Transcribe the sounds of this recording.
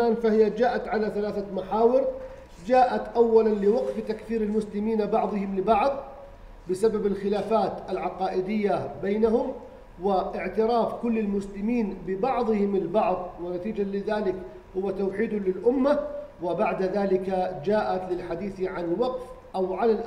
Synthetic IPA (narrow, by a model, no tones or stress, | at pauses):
aːnfahɪjad͡ʒaːʔat̪ʕalaθalaːθamaħaːwɪɾ | d͡ʒaːʔat̪ʔawːalanlɪwɑɡft̪akθiːɾɪlmʊslɪmiːnabɑʕðˤɨhɪmlɪbɑʕðˤ | bɪsababalxɪlaːfaːt̪alʕɑqɑːʔɪd̪ɪjːabejːnaɦʊm | wɪʔɪʕt̪ɪɾɑːfkʊlːɪlmʊslɪmiːnbɪbɑʕðˤɨhɪmɪlbɑʕðˤwɪnat̪iːd͡ʒalɪðaːlɪk | hʊwːat̪awħiːd̪ʊlɪlʔʊmːawɪbaʕd̪aðaːlɪkad͡ʒaːʔat̪lɪlħad̪iːθʕanɪlwɑqf | ʔawʕalalʔ